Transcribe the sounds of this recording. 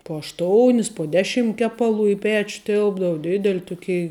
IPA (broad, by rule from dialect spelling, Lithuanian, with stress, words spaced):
poː ɐʃˈtoːʊnʲɪs poː ˈdʲæːˌʃʲɪm ˈkʲæːpɐˌlˠuː ɪ ˈpʲɛt͡ʃ ˈtʲɪlˠbdɐʋʊ ˈdʲɪdʲɛlʲɪ ˈtʊˌkʲɛɪ